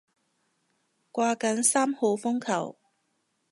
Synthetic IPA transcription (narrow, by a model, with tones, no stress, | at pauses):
kʷaː˧kɐ˨˥nsaː˥mho˨˧wfʊ˥ŋkʰɐ̰˨˩w